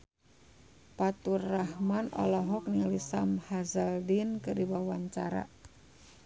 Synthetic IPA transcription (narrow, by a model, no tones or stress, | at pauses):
pat̪uraɦmanɔ̰lɔɦɔk̚niŋalisamhazəldinkɨdibawaɲt͡ʃaɾa̰